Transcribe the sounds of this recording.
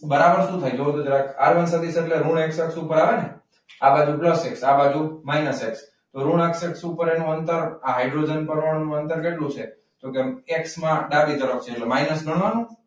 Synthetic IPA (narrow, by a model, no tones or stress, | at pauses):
bəɾabəɾʃũt̪ʰəjd͡ʒoət̪od͡ʒəɾaka̰ɾʋənsat̪ʰit͡ʃʰeeʈleɾuɳekseksupəɾaʋene | abad͡ʒupləseksabad͡ʒumajnəseks | t̪oɾuɳekseksupəɾenũənt̪əɾaɦajɖɾod͡ʒənpəɾʋəɽnũənt̪əɾkeʈlũt͡ʃʰe | d͡ʒokeeksmãɖabit̪əɾokt͡ʃʰeːʈlemajnəsnəɳʋanũ